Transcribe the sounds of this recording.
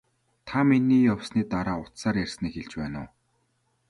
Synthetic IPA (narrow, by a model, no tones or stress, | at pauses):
t̪ʰaminiːjawsniːt̪aɾaːʊt̪saːɾjærʲsniːkxeɮt͡ɕpæːnʊ̰w